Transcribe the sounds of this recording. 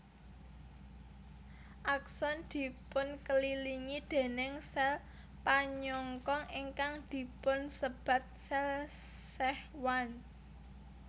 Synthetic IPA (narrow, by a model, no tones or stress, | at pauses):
ʔaksɔnd̪̥i̤pʊnkəliliŋid̪̥e̤nɪŋsɛl | paɲɔŋkɔŋiŋkaŋd̪̥i̤pʊnsəb̥ä̤t̪̚sɛlsɛhwan